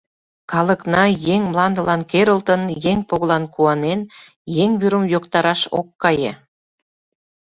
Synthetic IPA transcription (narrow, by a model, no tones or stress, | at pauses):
kɑlə̆knɑjeŋmlˠɑnd̪ə̆lɑnkeɾəlt̪ə̆njeŋpoɣ̆lˠɑnkuɑnen | jeŋβyɾə̆mjokt̪ɑɾɑʃo̰kːɑjḛ